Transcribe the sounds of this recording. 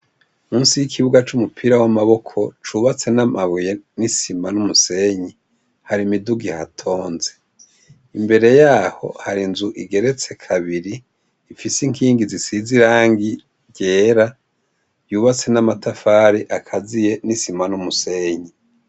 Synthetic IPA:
muːnsijikʰiβuɡat͡ʃumupʰiɾawamaβo̞kʰo̞t͡ʃuːβat͡se̞namaβuje̞nisimanumuse̞ɲi | haɾimiduɡihatʰo̞ːnze̞ | imbe̞ɾe̞jaːho̞̰haɾinzuʔiɡe̞ɾe̞t͡se̞kʰaβiɾiː | fisiŋkiːŋɡizisiziɾaːŋɡi | ɟe̞ːɾa | juːβat͡se̞namatafaːɾiʔakʰazije̞nisimanumuse̞ːɲi

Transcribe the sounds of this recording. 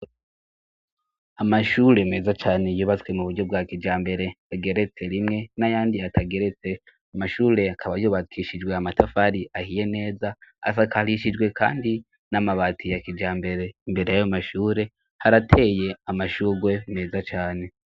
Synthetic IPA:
amaʃuɾe̞me̞ːzat͡ʃaːne̞juβat͡swe̞muβuɾɟo̞b̚ɡakid͡ʒaːmbe̞ɾe̞ | aɡe̞ɾe̞t͡se̞ɾimŋe̞najaːndiatʰaɡe̞ɾe̞t͡se̞ | amaʃuːɾe̞akʰaβajuːβakʰiʃid͡ʒɡwe̞amatʰafaɾiʔahije̞ne̞ːzaa̰s̬akʰaliʃid͡ʒɡwe̞ka̰ːndi | namaβaːtʰijakid͡ʒaːmbe̞ɾe̞imbe̞ɾe̞jajomaʃuːɾe̞ | haɾatʰe̞ːje̞amaʃuːɡwe̞me̞ːzat͡ʃaːne̞

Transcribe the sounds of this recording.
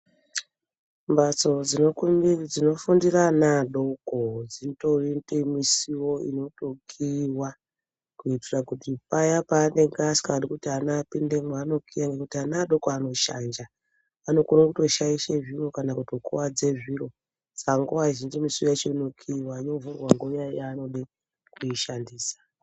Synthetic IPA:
mbat͡so̞d͡zinokd͡zino̞fundiranaɗo̞kod͡zintoindemisiwo̞ḭno̞to̞kʰiwa | kuitirakutipajapaːne̞ŋɡasi̥kaaɗikutianapindemano̞kijaŋɡe̞kutianaɗo̞koano̞ʃa̰nd͡ʒa | ano̞koɾokuto̞ʃaiʃeʐiro̞kanakuto̞kṵwad͡ze̞ʐiɾo̞ | sḁkaŋɡowaʒind͡ʒimisiwojat͡ʃenokʰiwaino̞vurwaŋɡojajaːno̞ɗe | kujiʃandiːsḁ

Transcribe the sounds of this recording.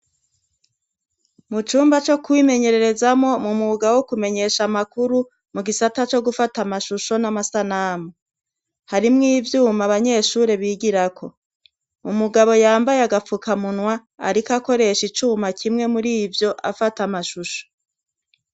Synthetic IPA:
mut͡ʃuːmbat͡ʃo̞kwime̞ɲe̞ɾe̞ɾe̞zamŋo̞mumuɡaβowokume̞ɲe̞ːʃamakuɾu | muɡisatat͡ʃo̞ɡufatamaʃuʃo̞namasanamo | haɾimŋiːvjuːmaβaɲe̞ːʃuːɾe̞βiːɡiɾakʰo̞ | umuɡaβo̞jaːmbajeaɡafukʰamunwa | a̰ɾikako̞ɾe̞ʃit͡ʃuːmakʰimŋe̞muɾiːvjo̞ʔa̰fatamaʃuʃo̥

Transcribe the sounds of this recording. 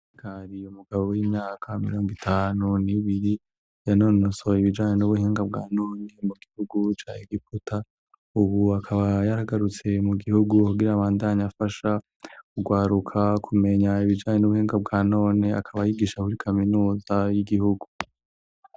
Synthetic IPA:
kaɾijumuɡaβowiːmɲaːkʰamḭɾo̞ːŋɡitʰaːnuniβiɾi | janonosoiβid͡ʒaːɲenuβuɦeːŋɡab̚ɡa̰ːnoːnemuɡihuɡut͡ʃaːeɡiputʰa | uβuakʰaβajaɾaɡaɾut͡se̞muɡihuɡukuɡiɾaːβaːndaɲafaʃa | kuɡwaːɾukʰakʰume̞ɲaiβid͡ʒaːɲe̞nuβuheːŋɡab̚ɡaːno̞ːnea̰kʰaβajiɡiːʃakuɾikʰaminuːzajiɡihuɡu̥

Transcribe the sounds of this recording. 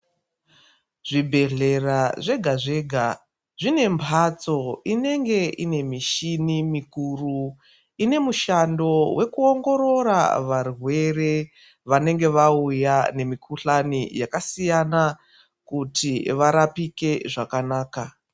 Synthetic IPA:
ʐibʱe̞ɮe̞raʐe̞ɡʱaʐe̞ːɡʱa | ʐine̞mpʰat͡so̞ine̞ŋɡe̞ʔine̞miʃinimikuːru | ine̞muʃando̞we̞kuo̞ŋɡo̞ɾo̞ɾa̰ʋarwe̞re̞ | ʋane̞ŋɡe̞ʋaujane̞mikuɬanijakasijana | kutiʋaɾapike̞ʐakanaːka

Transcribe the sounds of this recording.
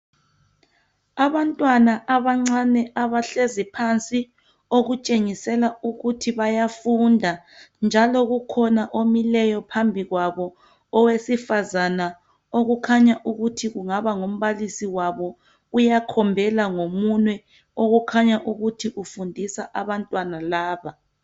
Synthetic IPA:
aβantʼwanaʔaβaŋ͡ǀanɛaβaɬezipʰant͡sʼi | oɣut͡ʃʼeŋisɛlauɣutʰiβajafundʱa | nd͡ʒʱalɔɣukʰɔnaʔomilɛjɔpʰambʱiɣwaβɔ | ɔwesifazana | oɣukʰaɲaʔuɣutʰiɣuŋaβaŋom̩βalisiwaβɔ | ujakʰɔmbʱɛlaŋomunwɛ | oɣukʰaɲaʔuɣutʰiʔufundʱisaʔaβantʼwanalaːβa

